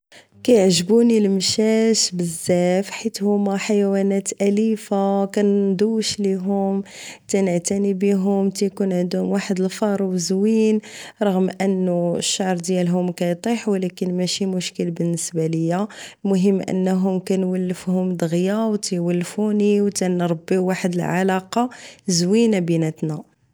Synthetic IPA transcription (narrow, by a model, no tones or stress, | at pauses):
kæjəʕʒbunilmʃæʃbəzːæfħit̪hʊmæħajwænæt̪ʔælifakænd̪uwʃliɦʊmt̪ænəʕt̪ænibiɦʊmt̪æjkunʕənd̪hʊmwaħəd̪əlfɑɾˤwəzwinɾˤɑɣmʔənːuəʃːɑʕɾˤd̪jælɦʊmkæjt̪ˤiħwlækənmæʃimʊʃkəlbənːəsbæləjːælmʊɦəmːʔə̰nːɦʊmkænwəlːəfhʊmd̪əɣjawt̪æjwəlːfuniwt̪ænɾˤɑbːiwaħəd̪əlʕalɑqɑzwinabinæt̪næ